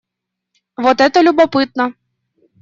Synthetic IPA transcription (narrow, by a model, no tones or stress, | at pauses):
vɔt̪ɛt̪ɐlʲubapɨt̪̚nɐ